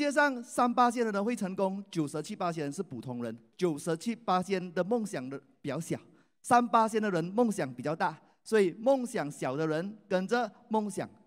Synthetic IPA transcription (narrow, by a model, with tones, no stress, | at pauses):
t͡ɕjɛ˥ʂ̬ɑ˥˩ŋsa˥npa˥ɕ̬jɛ˥nd̪ə˨ɻə˧˥nxwe˥˩ɪʈ͡ʂʰɤ˧˥ŋkʊ˥ŋt͡ɕjo˨˩ʊʂ̩˧˥t͡ɕʰi˥˩pa˥ɕjɛ˥nɻə˧˦ʂɻ̩˥˩pu˨˩t̪ʰʊ˧˥ŋɻə˧˦nt͡ɕjo˨˩ʊʂ̩˧˥t͡ɕʰi˥˩pa˥ɕjɛ˥nd̪ə˨mʊ˥˩ŋɕjɑ˨˩ŋd̪ə˦pi˨˩t͡ɕjɑ˥˩ʊɕjɑ˨˩ʊ | sa˥npa˥ɕjɛ˥nd̪ə˨ɻə˧˥nmʊ˥˩ŋɕjɑ˨˩ŋpi˨˩t͡ɕjɑ˥˧ʊt̪a˥˩ | swɔ˧˥i˨˩mʊ˥˩ŋɕjɑ˨˩ŋɕjɑ˨˩ʊd̪ə˦ɻə˧˥nkə˨˩nʈ͡ʂə˨ | mʊ˥˩ŋɕjɑ̰˨˩˦ŋ